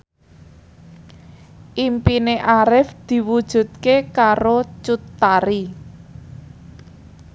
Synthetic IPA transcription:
ʔimpineʔaɾɪfd̪̥i̤wud̥ʒ̥ṳt̪̚kekaɾot͡ʃut̪ːaɾi

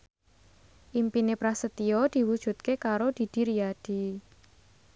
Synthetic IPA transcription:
ʔimpinepɾasət̪iod̪̥i̤wud̥ʒ̥ṳt̪̚kekaɾod̪̥i̤d̪̥i̤ɾijad̥i̤

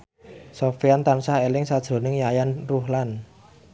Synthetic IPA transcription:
sofiant̪ansahelɪŋsad̥ʒ̥ɾo̤nɪŋjajanruhlan

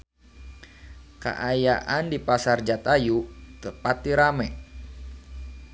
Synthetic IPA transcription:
ka̰ʔajaʔandipasard͡ʒat̪ajuk̪əpat̪iɾamɛ

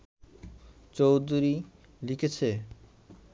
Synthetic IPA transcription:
t͡ɕowd̪ʱuɾi | likʰet͡ɕʰe

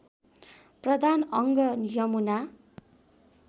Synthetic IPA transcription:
prʌd̪ʱanʌŋɡʌjʌmuna

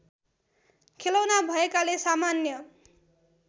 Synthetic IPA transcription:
kʰelawnabʱʌekalesamanjʌ

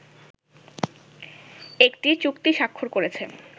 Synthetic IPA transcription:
ekʈit͡ɕukt̪iʃakʰːoɾkoɾet͡ɕʰe

